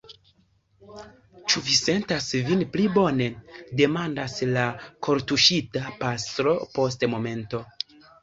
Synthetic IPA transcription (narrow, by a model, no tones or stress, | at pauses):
t͡ʃuvise̞ntasvinplibo̞ne̞de̞mandaslakʰo̞ɾtuʃitapastɾo̞po̞s̬tmo̞me̞nto̞